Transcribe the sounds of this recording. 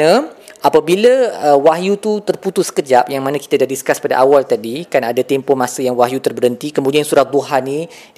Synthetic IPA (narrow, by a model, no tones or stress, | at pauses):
əʔapabiləəwaɦjut̪ut̪ərput̪ʊskəd͡ʒapjaŋmanãki̥t̪adadiskaspada̰ʔawalt̪adikanadat̪empɔmãsəjaŋwaɦjut̪ərbəɾənt̪ikəmudiansuɾat̪̚d̪oɦani